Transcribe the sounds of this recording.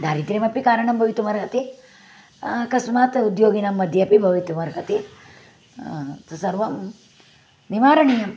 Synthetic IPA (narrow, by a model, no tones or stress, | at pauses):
d̪ʱaːɾit̪ɾemɐpikaːɾɐɳɐmbʱɐʋit̪umɐɾkɐt̪i | kɐsmaːt̪ud̪joːɡinamːɐd̪ʱjɐpibʱɐʋit̪umɐɾkɐt̪i | t̪ɐsɐɾʋɐm | nimaːɾɐɳijɐm